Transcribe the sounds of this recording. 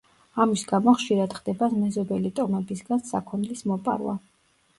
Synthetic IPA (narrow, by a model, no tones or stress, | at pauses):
amisɡamɔχʃiɾad̪χd̪ɛbasmɛzɔbɛlit̪ʼɔmɛbisɡansa̰kʰɔnlismɔpʼa̰ɾwa̰